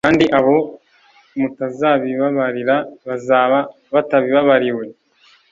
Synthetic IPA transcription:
kaːndiʔaβo̞ | mutazaβiβaβaɾiɾaβazaβa | βataβiβaβaɾiwe̞

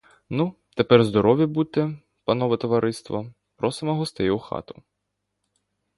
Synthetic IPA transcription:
nu | t̪epɛrzd̪ɔɾɔʋʲibut̪ɛ | pɐnɔʋɛt̪ɔʋɐɾʔɪst̪ʋɐ | pɾɔsɪmɔɦɔst̪ɪjʊxɑ̰t̪ʊ̥

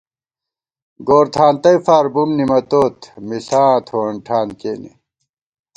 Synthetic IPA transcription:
ɡoːɾt̪ʰaːnt̪ɐjfaːɾbumnimɐt̪oːt̪misaːt̪ʰoːɐɳʈʰaːnkeːnḛ

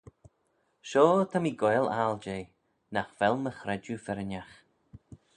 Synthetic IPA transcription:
ʃoːt̪ʰamiːɡɔjlald͡ʒeː | naxvɛlˠməxɾɛd͡ʒufɛɾənax

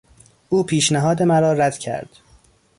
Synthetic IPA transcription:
ʔuːpʰiːʃnæɦɒːd̪emæɾɒːɾæd̪̥cʰæ̰ɾd̪̥

